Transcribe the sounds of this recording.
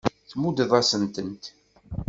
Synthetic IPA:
θmud̪əðˤɑsənt̪ənt̪

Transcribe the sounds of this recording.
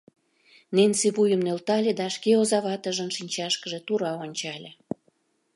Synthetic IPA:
nenseβujəmnølt̪ɑlʲed̪ɑʃkeozɑβɑt̪ə̆ʒənʃinʲt͡ɕɑʃkəʒet̪uɾɑonʲt͡ɕɑlʲe

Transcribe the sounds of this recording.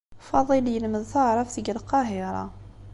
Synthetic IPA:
fɑðˤiljəlməðθəʕɾˤɑfθəɡəlqɑɦɪɾˤɑ̰

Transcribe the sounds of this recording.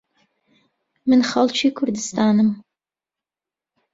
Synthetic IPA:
mɨnχɐlˠt͡ʃʰiːkʰʊɾd̪ɨst̪ʰaːnɨm

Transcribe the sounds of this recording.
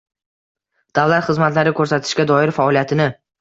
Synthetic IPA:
d̪̥avlat̪χɨzmat̪laɾɪkʰɵɾsat̪ʰɪ̥ʃkʲad̪ɒɪɾfaɒlijat̪ʰɪnɪ

